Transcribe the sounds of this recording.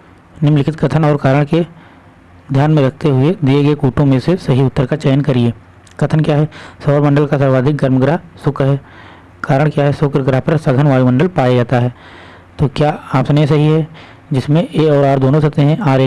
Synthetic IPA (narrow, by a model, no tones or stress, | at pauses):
nɪmlɪkʰɪt̪kɐt̪ʰənɔːɾkaːɾəɽ̃ke | d̪ʱjaːnmẽɾɐk̚ʰt̪eɦʊed̪ieɡɐekuːʈõmẽsesɐɦiʊt̪ːəɾkat͡ʃɛːnkɐɾieː | kɐt̪ʰənkjaːɦɛsɔːɾmə̃ɳɖəlkasɐɾʋaːd̪ʱɪk̚ɡɐɾmɡɾaɦsʊkɾɦɛː | kaːɾəɽ̃kjaːɦɛsʊːkɾɡɾaɦpɐɾsɐɡʱənʋaːjumɐ̃ɳɖəlpaːjad͡ʒaːt̪aɦɛː | t̪oːkjaːaːpsɐnesɐɦiɦɛ | d͡ʒɪsmẽeːɔːɾaːɾd̪oːnõsɐkt̪eɦɛ̃ʔaːɾeː